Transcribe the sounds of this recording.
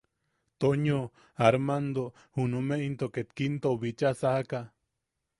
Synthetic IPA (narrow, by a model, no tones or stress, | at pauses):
t̪oɲo | aɾmand̪o | hunumeʔint̪oket̪kint̪oβit͡ʃasahaka